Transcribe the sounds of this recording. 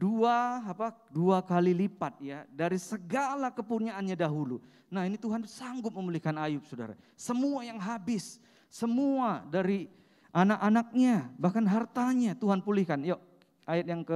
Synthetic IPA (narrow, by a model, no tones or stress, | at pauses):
duaːpaduakalilipat̪̚jadaɾisəɡalakəpurɲaːnɲadaɦulu | nahinit̪uɦansaŋɡʊp̚məmulihkanajʊp̚soda̰ɾa̰ | səmuajaŋɦabɪsː | əmuadaɾi | ʔanakanak̚ɲabahkanɦart̪aɲat̪uɦanpulihkanjo | ajat̪̚jaŋkə